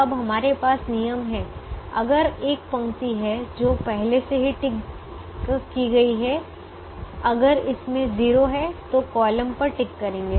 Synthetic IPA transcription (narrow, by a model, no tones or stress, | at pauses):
ɐbɦɐmaːɾepaːsnijəmɦɛ̃ːɐ̰ɡəɾeːk̚pɐ̃ŋt̪iɦɛd͡ʒoːpɛɦleseɦiʈɪk | kiɡɐiɦɛ | ɐɡəɾɪsmẽziːɾoɦɛt̪okɔːləmpɐɾʈɪkːɐɾẽːŋɡeː